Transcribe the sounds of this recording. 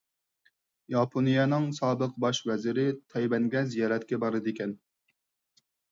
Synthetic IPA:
jɑpʰonijɛnɨŋsɑːbəqbɑʃvɛzɪɾɪt̪ʰɛjbɛŋɡʲɛzijɑːɾɛt̪kʲɛbɑɾɨd̪ɪkʲɛn

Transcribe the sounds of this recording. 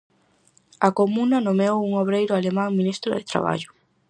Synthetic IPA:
akomũnanomeowuŋoβɾejɾʊalemãŋmĩnist̪ɾoðet̪ɾa̰β̞a̰ʎʊ

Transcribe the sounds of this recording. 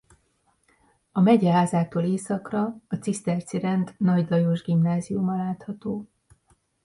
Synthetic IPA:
ɒmɛɟɛɦaːzaːt̪oːleːsɒkrɒːt̪sist̪ɛrt̪siɾɛnt̪nɒɟlɒjoʒɡimnaːzijumɒlaːt̪hɒt̪oː

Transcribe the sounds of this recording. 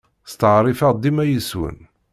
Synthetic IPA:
st̪əʕɾˤifæd̪imæjəswə̰n

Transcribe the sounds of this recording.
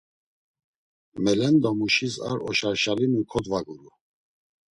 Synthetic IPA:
mɛlɛnd̪ɔmuʃisa̰ɾɔʃaɾʃalinukʰɔd̪vaɡuɾu

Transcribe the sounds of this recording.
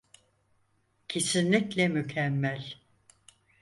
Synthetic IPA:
cʰe̞sinlʲiclʲɛmycʰɛmːælʲ

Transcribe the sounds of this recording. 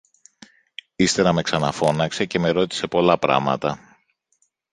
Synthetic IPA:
ist̪eɾɐme̞ksɐnɐfo̞nɐkse̞ce̞me̞ɾo̞t̪i̥se̞po̞lɐpɾɐ̰mɐ̰t̪ɐ

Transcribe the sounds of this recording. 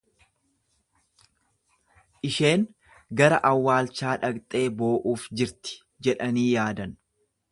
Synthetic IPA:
ʔɪʃe̞ːŋ | ɡɐɾɐʔɐwːaːlt͡ʃaːᶑɐkt̪ʼe̞ːbo̞ːʔuːfd͡ʒɪɾt̪ɪ̥ | d͡ʒɛᶑɐniːjaːd̪ɐn

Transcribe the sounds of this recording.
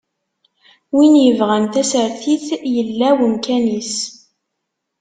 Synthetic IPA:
winjəvʁænθæsəɾθiθjəlːæwəmkænis

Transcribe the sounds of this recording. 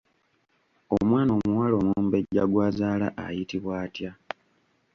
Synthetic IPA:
o̞mwaːno̞ːmuwaːlo̞ːmumbe̞ɟaɡwaːzaːlaʔa̰jitiβwaːtja

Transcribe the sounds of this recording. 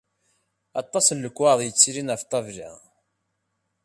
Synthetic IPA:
ɑt̪ˤːɑsəlːəkʷːwaðˤjət͡sːɾinʁəft̪ˤːɑvlḭʁ

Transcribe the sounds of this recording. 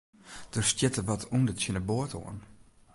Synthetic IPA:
d̥ərstjɪtəʋɔtʰundətjənəboəto̰ən

